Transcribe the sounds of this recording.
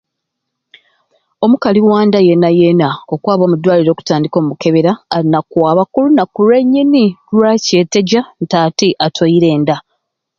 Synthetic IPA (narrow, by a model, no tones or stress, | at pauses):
o̞mukaliwaːndaje̞nːajenao̞kwaːβo̞ːmudːwaːliɾo̞ku̥taːndiko̞ːmumuke̞βe̞ɾaːɾinakwaːβakulunakuɾe̞ɲːinilwace̞ːte̞ɟantaːtiʔatʰojiɾe̞ːnda